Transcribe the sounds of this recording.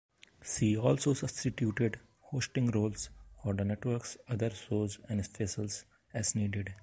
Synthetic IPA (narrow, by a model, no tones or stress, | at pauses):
siːɔːlsoːsʌbsʈiʈjuːʈeɖ | hoːsʈɪ̃ŋɡɾoːlsɔːɾd̪əneʈʋəɾksʌd̪əɾsoːzɛ̃ɳɖsfesəls | ɛzniːɖeɖ